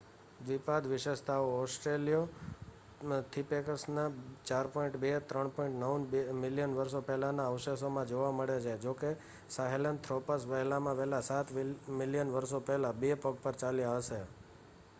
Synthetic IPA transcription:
d̪ʋipad̪ʋɪʃeʃt̪ʰaoɔsʈɾelijo | t̪ʰipekəɾsnat͡ʃaɾpɔiɳʈbet̪ɾəɳpɔiɳʈnəunmɪljənʋəɾsopɛɦlanaəʋʃesomãd͡ʒoʋaməɭed͡ʒajd͡ʒoke | saɦelənt̪ʰɾɔpəsʋəɦɛlamãʋɛɦlasat̪ʰmɪljənʋəɾsopɛɦlabepəɡpəɾt͡ʃalijaaʋʃe

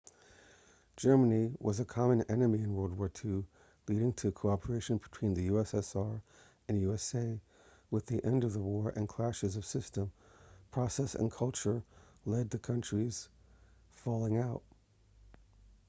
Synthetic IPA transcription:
d̥ʒ̥ɜ˞mɨniwʔʌzɨkʰɑmɨ̃nɛnɨmiɨ̃nwɜ˞lˠd̚wɔɹtʰʉ | liɾɪ̃ŋtʰɨkʰoʊɑpʰə˞eɪʃɨ̃nbɨtʰw̥ĩnðɨjʉɛsɛsɑɹ | ɨ̃njʉɛseɪ | wɨðiʔɛ̃ndʌvðəwɔɹʔɨ̰̃nkʰl̥æʃɨzʌv̥sɪstə̃mpʰɹ̥ɑsɛsɨ̰̃nkʰʌlˠt͡ʃə˞lɛd̪̚ðɨkʰʌ̃nt͡ʃɹ̥iz̥ | fɔlˠɪ̃ŋaʊt̚

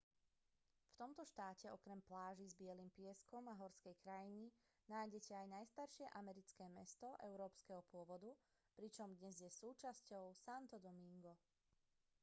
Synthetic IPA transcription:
ft̪ɔmt̪ɔʃt̪aːcɛɔkɾɛmplaːʒizbɪɛlimpɪɛskɔmaɦɔɾskɛjkɾajini | naːjɟɛcɛajnajst̪aɾʃɪɛʔamɛɾit͡skɛːmɛst̪ɔʔɛ̰ʊɾɔːpskɛɦɔpʊɔʋɔd̪u | pɾit͡ʃɔmd̪ɲɛzjɛsuːt͡ʃascɔʊsant̪ɔd̪ɔmiŋɡɔ

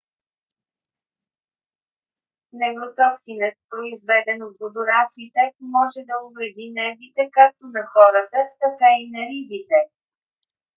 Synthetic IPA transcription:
nɛvɾot̪ɔksinət̪̚pɾoizvɛd̪ɛnot̪̚ɡod̪ʊɾasit̪ɛmɔʒɛd̪ɐʊvɾɛd̪inɛɾvit̪ɛkak̚t̪onɐxɔɾət̪ət̪ɐkainɐɾibit̪ɛ

